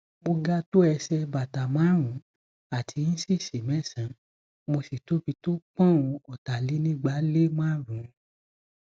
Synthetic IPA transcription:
mo˧ɡa˦to˦ɛ˧sɛ˧ba˨ta˨mã˨˦ɾ̃ũ˨˦ | a˨tʰi˧n̩˦si˦˨ʃe˨mɛ̃˦˨sã˨˦ | mo˧si˨to˦fi˧to˦k͡pã˦˨ũ˧ɔ˨ta˨li˨˦nĩ˦˨ɡ͡ba˨˦le˦mã˦˨ɾũ˨˦

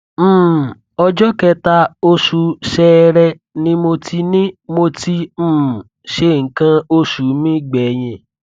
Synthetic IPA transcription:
m̩ː˦˨ | ɔ˧d͡ʒɔ˦kɛ˧ta˦˧o˧ʃu˧ʃɛ˧˦ɾɛ˧ | nĩ˦mo˧tʰi˧nĩ˦mo˧ti˧m̩ː˦˨ | ʃe˧˨ŋ̩˨kã˧o˧ʃu˨˦mĩ˦ɡ͡bɛ˨˦j̃ɛ̃˧˨

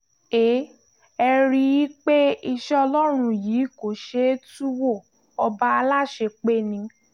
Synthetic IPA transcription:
e˨˦ | ɛ˧ɾi˧ji˦k͡pe˦i˧ʃɛ˦ɔ˧lɔ˦ɾ̃ũ˧˨jiː˨˦ko˨ʃe˧˦tu˦wo˦˨ | ɔ˧ba˦a˧la˦˨ʃe˧k͡pe˦nĩ˧

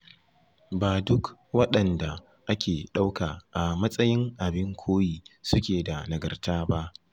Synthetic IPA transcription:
baː˨dʊ˦kwɐ˦ɗɐ˨nda˨ | ʔa˦kʲeː˨ɗa˦wkaː˨ʔa˨mɐ˦sʼɐ˦jɪ˦ŋʔa˨bɪ˦ŋkʷʰoː˦jiː˨sʊ˦kʲeː˨da˨nɐ˨ɡɐ̰˨rtaː˦ba˦ʔ

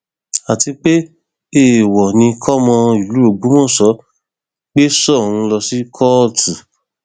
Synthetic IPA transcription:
a˨ti˧k͡pe˦ | e˦˨wɔ˨nĩ˧kʰɔ˦mɔ̃˧i˨lu˨˦o˨ɡ͡bu˨˦mɔ̃˦˨sɔ˨˦ | k͡pe˦sɔ˦˨ũ˧lɔ˧si˦kʰɔ˦˨tu˨

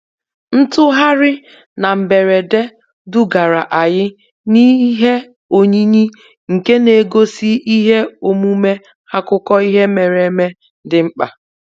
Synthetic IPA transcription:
n̩˦tʊ˦ɦa˦ɾɪ˦ | na˨m̩˨be˨ɾe˨de˦ | dʊ˦ɡa˨ɾa˨ʔa˨jɪ˦ | ni˦ɦe˦ | o˨ɲi˦ɲi˦ | ŋ̩˨ke˦ne˨ɡo˦si˦ʔi˦ɦe˦o˨mu˦me˦ | ha˦kʊ˦kɔ˦i˦ɦe˦me˨ɾe˨˦me˦ | dɪ˨ŋ͡m̩˦k͡pa̰˨

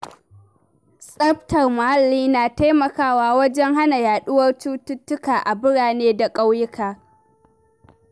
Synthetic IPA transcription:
sʼɐ˦ɸtɐ˨rmʊ˨ha˦lːiː˦naː˨ta˦jmɐ˨kaː˦waː˦wɐ˦d͡ʒɛ˦ŋɦa˦na˨jaː˨ɗʊ˦wɐ˦rtuː˦tʊ˦tːʊ˦kaː˨ʔa˨bɪ˦ɽaː˨neː˦da˨kʼa˦wjɪ˦kaː˨

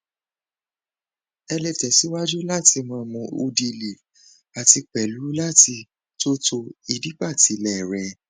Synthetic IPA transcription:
ɛ˧lɛ˨tɛ˨si˨˦wa˦d͡ʒu˦la˦˨ti˧mã˧mɔ̃˧o̰˧di˧le˨ | a˨ti˧k͡pɛ˨lu˨˦la˦˨ti˧ | to˦to˧i˧di˦k͡pa˦˨ti˨˦lɛ˦˨ɾɛ˧

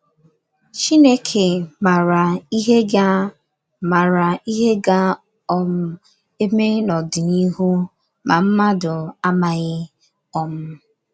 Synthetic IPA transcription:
t͡ʃi˦ne˦kʰe˨ma˨ɾa˨i˦ɦe˦ɡa˦ | ma˨ɾa˨i˦ɦe˦ɡa˦ | ɔ˦m̩˦ | e˦me˦nɔ˨dɪ˨ni˦ɦu˦ | mʔa˨m̩˦ma˦dʊ˨a˦ma˨ɣɪ˦ | ɔ˦m̩˦

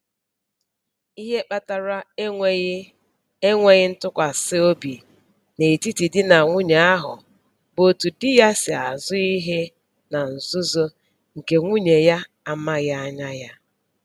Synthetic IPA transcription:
i˦ɦe˦k͡pa˦ta˨ɾa˦e˦ŋʷe˦ | e˦ŋʷe˦ɣɪ˦n̩˦tʊ˦kʷa˨sɪ˦o˦bi˨ | ne˨ti˦ti˨dɪ˦na˨ŋʷʊ˦ɲa˨a˦ɦʊ̰˨ | bo˨tu˨dɪ˦ja˦sɪ˨a˨zʊ˦i˦ɦe˦ | na˨n̩˨zʊ˦zo˦ | ŋ̩˨ke˨ŋʷu˦ɲe˨ja˦ | a˦ma˦ɣa˦a˦ɲa˦ja˦

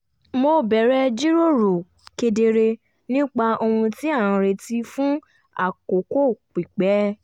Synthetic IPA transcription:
mo˧bɛ˨ɾɛ˧˦d͡ʒi˦ɾo˦˨ɾo˨ | ke˧de˧ɾe˧ | nĩ˦k͡pa˧o˧hũ˧ti˦ã˦˨ã˧ɾe˧ti˦fũ˦ | a̰˦˨ko˨ko˦˨k͡pi˨k͡pɛ˨˦

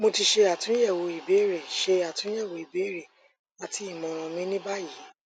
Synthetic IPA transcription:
mo˧ti˧ʃe˧a˨tũ˨˦jɛ˦˨wo˨i˨be˨˦ɾe˦˨ʃe˧a˨tũ˨˦ɛ˦˨wo˨i˨be˨˦ɾe˦˨ | a˨tʰi˨˦i˦˨mɔ̃˨ɾ̃ɔ̃˨˧mĩ˦nĩ˦ba˦ji˨˦

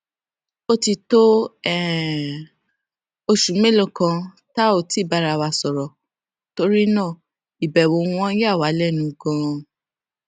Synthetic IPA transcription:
o˦ti˧to˦ɛ˦˨ | o˧ʃũ˨˦me˦lo˦˨kã˧ | ta˦o˦˨ti˨˦˨ba˧ɾa˧wa˧sɔ˨ɾɔ˨ | to˦ɾi˦nãː˦˨ | i˨bɛ˨wo˨˦ũ˧ɔ̃˦ja˦˨wa˨˦lɛ˦˨nũ˨˧ɡɔ̃˧

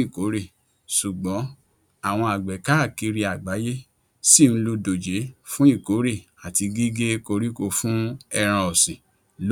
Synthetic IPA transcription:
i˦˨ko˨˦ɾi˦˨ | su˨ɡ͡bɔ̃˨˦ | a˦˨w̃ɔ̃˧a˨ɡ͡bɛ˨ka˦˨ki˧ɾi˧a˨ɡ͡ba˨˦je˦ | si˦˨ñ̩˧˦lu˧do˨d͡ʒe˨˦fũ˦i˦˨ko˨˦ɾi˦˨ | a˨ti˧ɡi˦ɡe˦ko˧ɾi˦ko˧fũ˦ɛ˧ɾ̃ã˧ɔ˨sĩ˨ | l

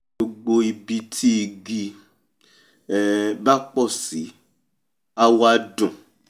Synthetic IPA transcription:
o˧ɡ͡bo˧i˨bi˧tʰi˦i˨ɡi˧˨ | ba˦k͡pɔ˦˨si˨˦ | a˦wa˧dɔ̃˨

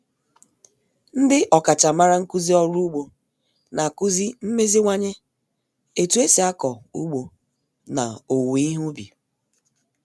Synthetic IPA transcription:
n̩˦dɪ˦ʔɔ˨ka˨t͡ʃa˨ma˦ɾa˦ŋ̩˦ku˦zi˦ɔ˦ɾu˦ɡ͡bo˨ | na˨ku˦zi˦m̩˦me˦zi˦ŋʷa˦ɲe˦ | e˨tu˨˦e˦si˨a˦kɔ˨u˦ɡ͡bo˨ | na˨o˨wi˨i˦ɦu˦bḭ˨

